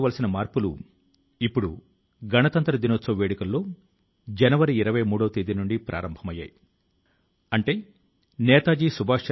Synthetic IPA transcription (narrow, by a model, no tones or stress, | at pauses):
ʋɐlɐsinɐmaːɾpulṵ | ipːuɽu | ɡɐnɐt̪ɐnt̪ɾɐd̪inoːt̪sɐːʋeːɽikɐlːo̞ː | d͡ʒɛnɐʋɐɾiːɾɐʋɐjmuːɽɐʋɐt̪id̪inuɳɖipɾʔa̰ːɾɐmbʱɐmɐjːa̰ːji | ɐɳʈe̞ː | nɛːt̪aːd͡ʒiːsubʱaːʂt͡ʃ